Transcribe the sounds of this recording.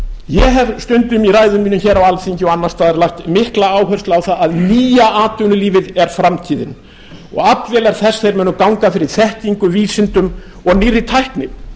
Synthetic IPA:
jɛɦɛvst̪ʏnt̪ʏmiraːjðʏmːiːnʏmçɛːɾawalfiɲcɪɔɣanːḁst̪aːðɛɾlahxt̪mɪhklaaːwɦœrst̪laːwθaðaðniːjaaːt̪ʏnʏliːvɪðɛɾ̥fɾamt̪ʰiːðɪ̰n | ɔ̰ɣat̪vɛlaɾ̥θɛsːθejɾmɛːnʏmkawŋkafɪɾɪɾ̥θɛht̪iŋkʏviːsɪnt̪ʏm | ɔɣnɪrːɪt̪ʰajhknɪm

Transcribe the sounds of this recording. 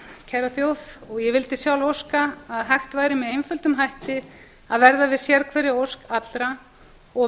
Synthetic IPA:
cʰɛɾaθjowθɔɣjɛvɪlt̪ɪsjawlowskaːðɦajxt̪vaːjɾɪmɛðejnfʏlt̪ʏmɦajht̪ɪ | aðvɛɾðavɪðsjɛɾkʰvɛːɾɪowskat̪lɾa | ɔ

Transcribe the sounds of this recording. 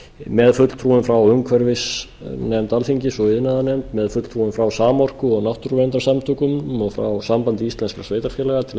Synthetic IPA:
mɛðfʏt̪l̥t̪ʰɾuːɪmfɾawʏŋkʰvɛɾvɪs | nɛmt̪alfiɲcɪsɔɪðnaðanɛmt̪mɛðfʏt̪lt̪ʰɾuɪmfɾawsaːmɔr̥kʏɔɣnawht̪ʏɾvɛnt̪aɾsamt̪ʰʏːkʏmɔɣfɾa̰wsampant̪ɪist̪lɛnskasveːjt̪aɾfjɛlɛɣat̪ʰɪl

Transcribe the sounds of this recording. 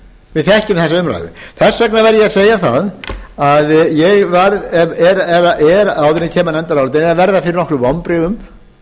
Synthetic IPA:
vɪðθɛhcʏmθɛsaʏmra̰jðɪ̰θɛsvɛknavɛɾjɛaðseːjaθa̰ðaðjɛɣvaɾɛɛɾɛðaʔɛɾawðɪnɪcʰɛːmanɛnt̪aɾawlɪt̪enɛɾavɛɾðafɪɾɪɾnɔkɾʏvawmpɾɪɣʏm

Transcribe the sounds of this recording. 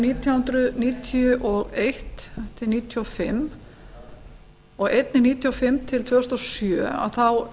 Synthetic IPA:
niːt̪ʰjhʉnt̪ɾʏðniːt̪ʰjʏʔɔɣejht̪ʰɪlniːt̪ʰjɔfɪmː | ɔɣejt̪̚nɪniːt̪ʰjɔfɪmːt̪ʰɪlt̪ʰvœːhst̪ɔsjœ̰ːa̰wθaw

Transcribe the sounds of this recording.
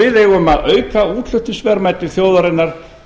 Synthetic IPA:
ɪðejɣʏmaðœːɥkauːt̪l̥ʏht̪ʏsvɛɾmaːjt̪ɪθjoːwðaɾɪnːaɾ̥

